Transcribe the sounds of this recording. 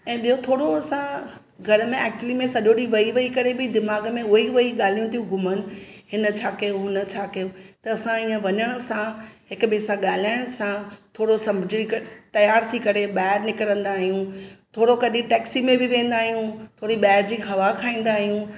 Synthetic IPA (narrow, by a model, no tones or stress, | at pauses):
ɛ̃ːɓijot̪ʰoːɽoɐsã | ɡʱɐɾəmẽɛːk̚t͡ɕʊəlimẽsɐʄoɗiʋɐiʋɐikɐɾebɪd̪ɪmaːɡmẽʊiʋɐiɠaːl̤ijũt̪ʰiũɡʱʊmən̆ɦɪnə̆t͡ɕʰaːkɐjonɐt͡ɕʰaːkɐjot̪ɐɐsãiːə̃ʋɐɲəɽ̃əsãɦɪkɓeːsãɠaːl̤aːɪɽ̃sãt̪ʰoːɽosɐmbʱɪd͡ʑikt̪ɐjaːɾt̪ʰikɐɾeɓaːɦɪɾnɪkəɾə̃nd̪aːɦijũt̪ʰoːɽokɐɗĩʈɛːksimẽbɪʋẽːn̆d̪aːɦijũt̪ʰoːɽiɓaːɽd͡ʑiːɦɐʋakʰaːĩːn̆d̪aːɦijũ